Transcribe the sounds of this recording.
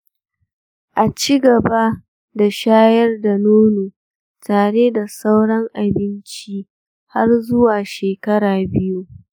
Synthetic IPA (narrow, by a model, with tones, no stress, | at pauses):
ʔa˨t͡ʃiː˦ɡɐ˨ba˦ | da˨ʃaː˦jɐ˦rda˨noː˦nuː˨ | taː˨ɽeː˦da˨sa˦wɽɐ˦ŋʔa˨bɪ˦nt͡ʃi˦ | ha˦rzʊ˦waː˨ʃeː˨kɐ˦ɽaː˨bɪ˦ju˦